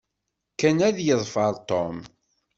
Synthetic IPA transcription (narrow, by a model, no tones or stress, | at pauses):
kːænæðjəðˤfəɾˤt̪om